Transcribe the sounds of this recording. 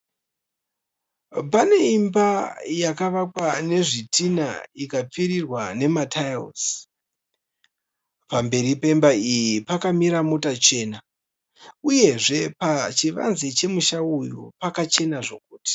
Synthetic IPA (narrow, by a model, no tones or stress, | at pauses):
pane̞imbajakaʋakwane̞ʐitʰina̰ikap͡fiɾirwane̞matʰajo̰s | pambe̞ɾipe̞mbaijipakamiɾamo̞tat͡ʃe̞ːna | uje̞ʐe̞pat͡ʃiʋa̰nzet͡ʃe̞muʃaujupakat͡ʃe̞naʐo̞̰k̚uːti̥